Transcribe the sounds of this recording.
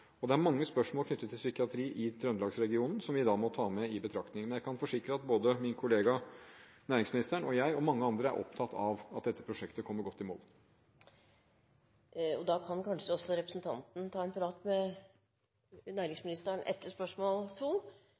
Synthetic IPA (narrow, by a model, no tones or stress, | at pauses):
ɔd̪ɛæɾmɑŋːəspœʂmoːlkʰnʏt̪ːət̪ʰːɪlsʏkɪɑt̪ʰɾiːʔɪt̪ʰɾœnlɑːɡsɾɛɡɪuːnn̩sɔmʋɪd̪ɑːmɔt̪ʰɑːmɛɪbət̪ʰɾɑkt̪nɪŋmɛnjæɪkʰɑnfɔʂɪkɾəɑt̪̚boːd̪əmɪnkʰʊleːɡɑ | næːɾɪŋsmɪnɪst̪æɳɔjæɪɔmɑŋːəɑnd̪ɾəæ̰ɾʔɔ̰pt̪ʰɑt̪ʰːɑʋɑt̪̚d̪ɛt̪ːə̥pʰɾʊʂɛkt̪əkʰɔmːəɾɡɔt̪ːɪmo̰ːl | ɔd̪ɑkʰɑnkɑnʂəd̪ɔsɔɾɛpɾəsn̩t̪ʰɑ̰nt̪n̩t̪ʰɑːɛnpʰɾɑːt̪mɛ | næːɾɪŋsmɪnɪst̪əɳʔɛ̰t̪ːəʂpœʂmoːlt̪ʰul